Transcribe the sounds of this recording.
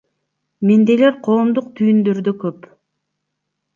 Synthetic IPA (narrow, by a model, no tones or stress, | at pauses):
mend̪eleɾqʰo̞ːmd̪uq̚t̪ʰyjynd̪øɾd̪økøp